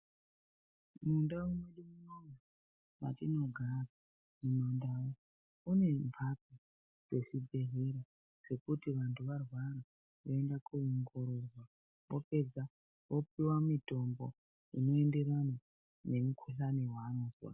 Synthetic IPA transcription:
mundawunweɗimunoja | ma̰tino̞ɡʱara | inondawo | une̞mpʰapi | ʐ̥e̞ʂibʱe̞ɦeɾa | ʂe̞kutiʋantʰuʋarwaɾa | ʋoendakuuŋɡoɾorwa | ʋope̞d͡za | ʋo̞p̚iwamito̞mbo | ino̞ende̞ɾana | ne̞mukʰuɬaniwaːnozwa̰

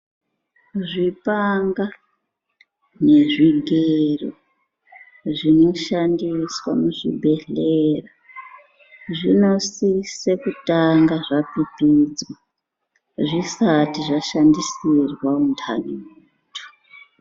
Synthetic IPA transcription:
ʐipaŋɡa | ne̞ʐiɡʱero̰ | ʐino̞ʃandiswa̰muʐḭbʱe̞ɬera | ʐino̞sise̞kutaŋɡaʐapipid͡zwa | ʐisatiʐaʃandisirwauntʰa̰niː | tʰu̥

